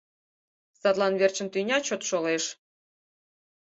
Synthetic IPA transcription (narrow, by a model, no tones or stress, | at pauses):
sɑt̪lˠɑnβert͡ɕə̆nt̪ynʲɑt͡ɕot̪ʃoleʃ